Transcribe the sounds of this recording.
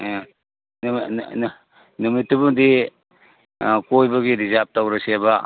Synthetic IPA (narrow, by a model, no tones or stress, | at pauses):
numitːubuŋdi | kojbaɡiɾizap̚tawɾasiaba